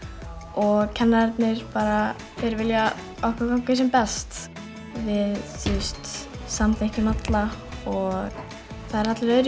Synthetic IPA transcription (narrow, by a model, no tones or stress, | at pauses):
ɔɣcʰɛnːaɛɾt̪nɪɾ̥paːɾa | θejɾvɪlja | ɔhkvakawm̥kɪsɛmpɛst̪ | vɪðθust̪samθehcʏmat̪laɔɣ | θaðɛɾat̪lʏɾœðɾ